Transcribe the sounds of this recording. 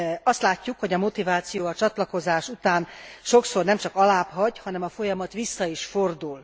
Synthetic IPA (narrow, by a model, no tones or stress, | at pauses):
ɒst̪laːcːukho̞ɟɒmo̞t̪ivaːt̪sijoːɒt͡ʃɒt̪lɒko̞zaːʃut̪aːnʃo̞kso̞rnɛmt͡ʃɒkɒlaːpɦɒɟhɒnɛmɒfo̞jɒmɒt̪ʋisːɒiʃfo̞rd̪ul